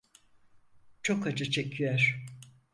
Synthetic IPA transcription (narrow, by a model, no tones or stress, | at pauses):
t͡ʃʰokad͡ʒɯt͡ʃʰecʰyjœɾ̥